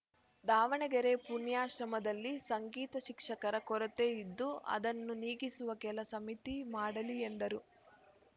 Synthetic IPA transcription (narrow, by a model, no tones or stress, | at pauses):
d̪aːʋɐɳɛɡɐɾe̞punjaːʃɾɐmɐd̪ɐlːisɐŋɡiːt̪ɐʃikʂɐkɐɾɐkɔɾɐt̪eid̪ːuɐ̰d̪ɐnːuniːɡisuʋɐkɛlɐsɐmit̪imaːɽɐliend̪ɐɾu